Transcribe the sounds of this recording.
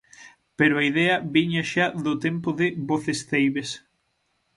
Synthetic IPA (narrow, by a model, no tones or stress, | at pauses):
peɾʊaiðeɐβiɲaʃaðʊt̪empʊðɪβoθesθejβes